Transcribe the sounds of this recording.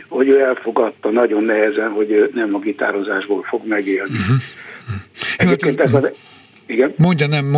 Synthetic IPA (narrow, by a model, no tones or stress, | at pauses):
ho̞ɟøːɛlfo̞ɡɒt̪ːɒnɒɟo̞nːɛɦɛzɛnɦo̞ɟøːnɛmɒɡit̪a̰ːɾo̞zaːʒboːlfo̞ɡmɛɡeːlniɦ | ɛjoepkeːnt̪ɛkɒ | iɡɛnmoɲɟɒnɛmː